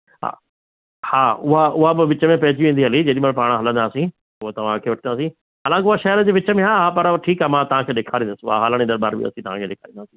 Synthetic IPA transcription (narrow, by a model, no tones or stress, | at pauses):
ɦ | haːʊɦaʊɦabɪʋɪt͡ɕəmẽpɐɦɪd͡ʑiʋĩːn̆d̪iɦɐlid͡ʑɐɗimɐɽpaːɽ̃ə̆ɦɐlə̃nd̪aːsĩː | ʊɦot̪ɐʋ̤ãkʰeːʋɐʈʰə̃naːsĩ | ɦaːlãːkɪʊɦaʃɐɦɪɾəd͡ʑeːʋɪt͡ɕəmẽɦaːɦapɐɾʈʰiːkaːmãt̪ɐʋãkʰeːɗeːkʰaːɾĩːnd̪əsɪʊɦa̰ɦaːləɽĩːd̪ɐɾbaːɾbɪ̰ɐ̰sĩt̪ɐʋ̤ãkʰeːɗeːkʰaːɾĩːnaːsĩː